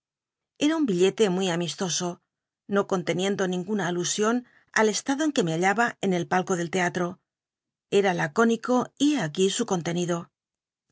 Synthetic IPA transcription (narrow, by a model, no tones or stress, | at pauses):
e̞ɾaumbiʎe̞t̪e̞mwijamist̪o̞so̞ | no̞ko̞nt̪e̞nje̞nd̪o̞nĩŋɡunaːlusjo̞n | a̰le̞st̪aðo̞e̞ŋke̞me̞aʎaβaene̞lpalko̞ðe̞lt̪e̞at̪ɾo̞ | e̞ɾalako̞niko̞ieakisuko̞nt̪e̞niðo̞